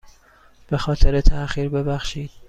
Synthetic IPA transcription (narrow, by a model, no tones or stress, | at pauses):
b̥e̞xɒːt̪ʰe̞ɾet̪ʰæʔxiːɾbe̞bæxʃiːd̪̥̚